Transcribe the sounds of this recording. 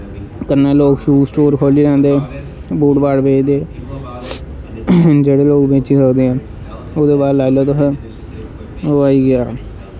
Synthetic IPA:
kənãːloːkʃuːsʈoːɾkʰoːliːɾɛ̃ːnd̪eː | buːʈbaːɽbeːd̪eː | d͡ʒeːɽeːloːkbẽːt͡ʃiːsəkd̪eːãː | od̪eːbaːɾlaːɪloːt̪oɦ | aːiːɡɪaː

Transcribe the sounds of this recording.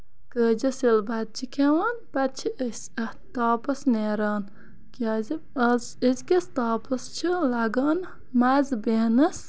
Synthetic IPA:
kəːd͡ʒɐsilbɐd̪̚t͡ʃʰikʰʲewaːnpɐt̪̚t͡ʃʰiʔəs | ɐ | t̪aːpɐsneːɾaːn | kʲaːzi | zəzʲkʲɐst̪aːpɐst͡ʃʰilɐɡaːn | mazbeːnɐs

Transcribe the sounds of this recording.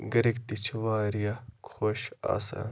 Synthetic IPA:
ɡɐɾikt̪it͡ʃʰʋaːɾijakʰoʃa̰ːsa̰n

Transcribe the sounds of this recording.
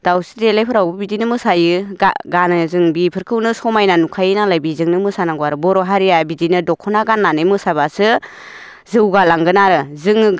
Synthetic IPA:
d̥awsidelajpʰɯɾawbɯbidinɯmɯsajɯɡanɯzɯŋbipʰɯɾkʰɯwnɯsɔmajnanukʰajɯnalajbizɯŋnɯmɯsanaŋɡuaɾɯbɔɾɔɦaɾijabidinɯdɔkʰːɔnaɡanːanɯjmɯsabasɯ | zɯwɡalaŋɡɯnaɾɯzɯŋ

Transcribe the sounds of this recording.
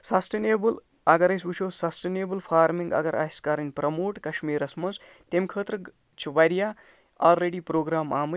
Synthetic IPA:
sɐsʈeneːbɨl | ɐɡɐɾɐsut͡ʃʰoːssɐsʈeneːbɨlpʰaːɾmiŋɡɐ̰ɡɐɾʔa̰ːskaɾɐnʲpɾɐmoːʈkɐʃmiːɾɐsmɐnz | t̪emkʰəːt̪ɾə | t͡ʃʰiʋɐɾijaː | alɾeːɽiːpɾoːɡɾaːmaːmɨ

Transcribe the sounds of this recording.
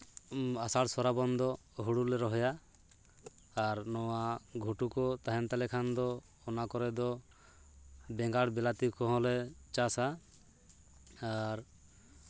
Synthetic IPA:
asaɽsɔɾabɔnd̪ɔ | ɦuɽulɛɾɔɦɔja | ɾnɔwaɡʱuʈukɔt̪aɦɛnt̪alɛkʰand̪ɔː | nakɔɾɛd̪ɔ | bɛŋɡaɽbɛlat̪ikɔ̃ɦɔ̃lɛt͡ʃasa | aɾ

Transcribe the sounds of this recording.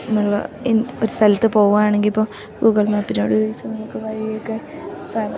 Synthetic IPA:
nɐmːɐɭ̰enoɾust̪ʰɐlɐt̪ːɨpo̞ːɣuɣanaːɳe̞ŋɡilipːoː | ɡuːɣɐɭmapːinːo̰ːɽuðiʋɐsɐmnɐmukːɨʋɐɻijjokːepɐrɐ

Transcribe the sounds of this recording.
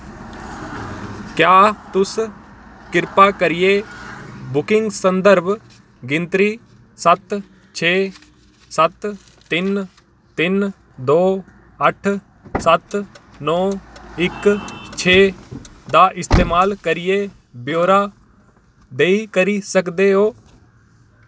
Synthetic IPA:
kjaːt̪ʊs | kɪɾpaːkəɾɪje | bʊkɪ̃ŋɡsə̃nd̪əɾb | ɡɪ̃nt̪ɾiː | sət̪ | t͡ʃʰeː | sət̪ː | ɪn | t̪ɪn | d̪oː | əʈʰ | sət̪ | nɔːɪkt͡ʃʰeː | d̪aːʔɪst̪eːmaːlkəɾɪjeː | bjoːɾaː | d̪eːiːkəɾiːsəkd̪eːɦoː

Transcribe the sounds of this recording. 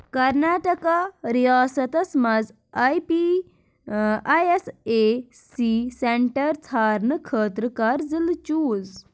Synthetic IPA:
kɐɾnaːʈɐkaɾijaːsɐt̪ɐsmɐd͡z | ajpi | ajeseː | siseɳʈɐɾt͡sʰaːɾnɨkʰəːt̪ɾɨkaːɾzilt͡ʃuːz

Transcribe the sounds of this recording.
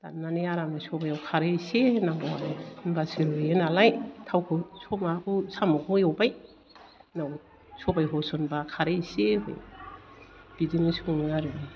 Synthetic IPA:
tanːaniaɾamnasɔbajawkʰaɾesenambɔwa̰ɾnbasiɾuenalajtʰawkʰɯsomakusamukʰojawbaj | naw | sobajɦosonbakʰaɾeseho̰j | b̥idinisunaɾɯni

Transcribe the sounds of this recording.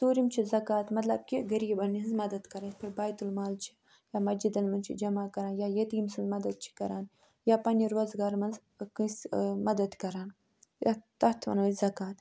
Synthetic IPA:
t̪uːɾimt͡ʃʰizɐkaːt̪mɐt̪lɐb̚kʲiɡɐɾiːbɐninzmɐd̪ɐd̪kɐɾɐnspʰɐɾbaːjt̪ulmaːlt͡ʃʰi̥ | jaːmɐd͡ʒid̪ɐlmɐnt͡ʃʰḭd͡ʒɐmaːkɐɾaːnjaːjɐt̪imsɐlmɐd̪ɐd̪̚t͡ʃʰi̥kɐɾa̰ːn | jaːpɐnʲiɾoːzɡaːɾmɐnz | kɨsmɐd̪ɐd̪kɐɾaːn | at̪ɐt̪ʰʋɐ̰nɐzɐkaːt̪

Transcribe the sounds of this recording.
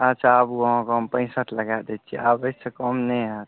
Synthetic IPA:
at͡ʃʰabuəɦãkeɦəmpə̃ɪ̃səʈʰləɡad̪ɛt̪̚t͡ʃʰiabəsekəmnəjɦət̪

